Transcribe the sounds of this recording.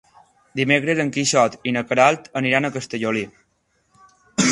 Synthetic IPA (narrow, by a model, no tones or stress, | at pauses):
d̪imekɾezəŋkiʃɔt̪inəkəɾalt̪əniɾanəkəst̪əʎoli